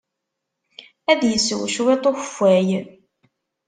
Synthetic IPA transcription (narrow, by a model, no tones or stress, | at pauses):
æðjəsəwʃwet̪ˤoçfːæj